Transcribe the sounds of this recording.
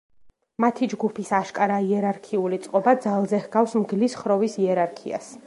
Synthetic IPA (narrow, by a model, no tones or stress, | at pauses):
mat̪ʰid͡ʒɡupʰisaʃkʼaɾaiɛɾaɾkʰiulit̪sʼqʼɔbad̪zalˠzɛhɡafsmɡlisχɾɔvisiɛɾaɾkʰḭa̰s